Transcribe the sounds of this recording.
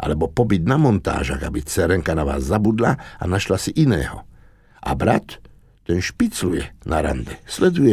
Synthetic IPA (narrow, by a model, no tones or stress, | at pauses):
ʔa̰lɛbɔpɔbid̪namɔnt̪a̰ːʒa̰ɣabit͡sɛɾɛŋkanaʋa̰ːzːabud̪laa̰naʃlasiʔinɛ̰ːɦɔ̰ | ʔa̰bɾa̰t̪ː | ɛnʃpit͡slujɛnʔaɾa̰nd̪ɛslɛd̪ujɛ